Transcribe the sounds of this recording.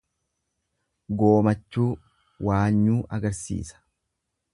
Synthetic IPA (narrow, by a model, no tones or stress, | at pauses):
ɡo̞ːmɐt͡ʃːuː | waːɲːuːʔɐɡɐɾsḭːsɐ̥